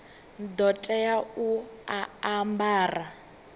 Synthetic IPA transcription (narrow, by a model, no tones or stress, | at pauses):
d̪ɔtʼɛjauaambaːra